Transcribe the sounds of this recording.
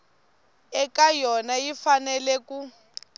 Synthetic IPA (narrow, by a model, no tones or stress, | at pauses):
ɛkajɔnajifanɛlɛku